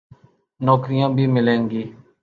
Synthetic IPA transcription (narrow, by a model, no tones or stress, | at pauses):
nɔːkɾɪjãːbʱiːmɪlẽːŋɡiː